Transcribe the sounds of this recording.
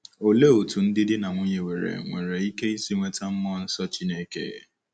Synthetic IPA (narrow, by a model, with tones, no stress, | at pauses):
o˨le˦o˨tu˨n̩˦dɪ˦dɪ˦na˨ŋʷʊ˦ɲe˨we˨ɾḛ˨ŋʷe˨ɾe˨i˦ke˦n̩˦si˦ŋʷe˦ta˦m̩˦mɔ˦n̩˦sɔ˦t͡ʃi˦ne˦kḛ˦˨ḛ˨